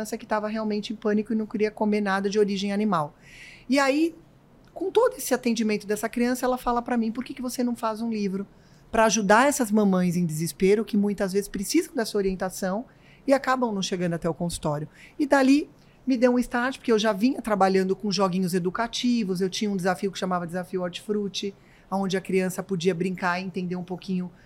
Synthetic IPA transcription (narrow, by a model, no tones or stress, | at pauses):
sɐkɪ̥t̪avɐɦeawmẽnt͡ʃɪẽj̃pɐ̃nikʊɪnɐ̃w̃kɪɾiɐkomeɾnad̪ɐd͡ʒɪoɾiʒẽj̃animawɪai | kõt̪od̪ʊesɪat̪ẽnd͡ʒimẽnt̪ʊd̪ɛsɐkɾiɐ̃sɐɛlɐfalɐpɾɐmĩpoɾkekɪvosenɐ̃w̃fazũlivɾʊ | pɾɐaʒud̪aɾɛsɐzmɐ̃mɐ̃j̃zẽj̃d̪ɪzɪspeɾʊkɪmũj̃t̪ɐzvezɪspɾɪsizɐ̃w̃d̪ɛsuɐoɾiẽnt̪asɐ̃w̃ | ɪakabɐ̃w̃nɐ̃w̃ʃeɡɐ̃nd̪ʊat̪ɛʊkõsu̥t̪ɔɾjʊɪd̪ali | mɪd̪ewũɪst̪aʒʊpoɾkeewʒavĩɲɐt̪ɾabaʎɐ̃nd̪ʊkõʒoɡĩɲʊzed̪ukat͡ʃivʊz̬ewt͡ʃĩɲɐũd̪ɪzafiʊkɪ̥ʃamavɐd̪ɪzafiʊaɾt͡ʃɪ̥fɾut͡ʃɪ | aõnd͡ʒɪɐkɾiɐ̃sɐpod͡ʒiɐbɾĩŋkaɾɪẽnt̪ẽnd̪eũpokĩɲʊ